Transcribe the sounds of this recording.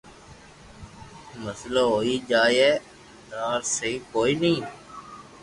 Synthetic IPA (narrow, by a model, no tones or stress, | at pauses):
məslaɦoːiːd͡ʒaːɛː | d̪aːɾseikoːiːnəĩː